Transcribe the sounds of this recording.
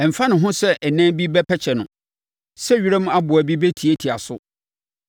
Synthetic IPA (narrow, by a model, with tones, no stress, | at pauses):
ɛ˨m̩˨fã˦nʊ̃˨ɦʊ̃˦sɛ˦ʔɛ˨næ̃˦bi˦bɛ˦pʰɛ˦t͡ɕʰɛ˨nʊ̃˨ | sɛ˦ɥi˦ɾɛ˦m̃˦a˦bʊ˨æ˨bi˦be˦tʰi˨e˦tʰi˨a˨sʊ˦